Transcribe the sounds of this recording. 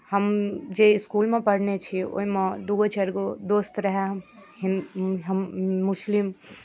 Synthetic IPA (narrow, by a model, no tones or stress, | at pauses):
həmd͡ʒeiskulmepəɽ̤net͡ʃʰio̰ɦimed̪uɡot͡ʃeɾɡod̪ost̪ɾəɦeɦinɦəmːuslim